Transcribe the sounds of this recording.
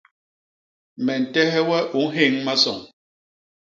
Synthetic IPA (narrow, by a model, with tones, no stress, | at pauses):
mɛ˨n̩˨tɛ˦hɛ˦wɛ˦ʔu˨˦ɦe˦˨ŋma˦sɔ̰˨ŋ